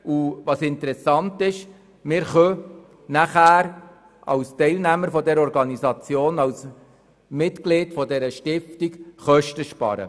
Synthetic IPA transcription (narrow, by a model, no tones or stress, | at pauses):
uvɑsɪnt̪əɾɛsɑntɪʃ | mɪːɾχœ | næχæːɾ | ʔɑ̰wstɛɪlnæməɾfɔdɛɾɔɾɡɑnizɑt͡sjoːnɑws | mɪtklɪːtfɔdɛɾəʃtɪftikχœʃtəʃpɑ̰ːɾə̰